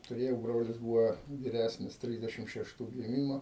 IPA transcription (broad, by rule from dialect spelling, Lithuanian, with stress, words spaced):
tʊˈrʲeːjɛʊ ˈbroːlʲɪs ˈbuːʋɐ ʋʲɪˈrʲæsʲnʲɪs ˈtʲrʲɪzʲdʲɛʃʲɪm ʃʲɛʃˈtuː ɡʲɪˈmʲɪmoː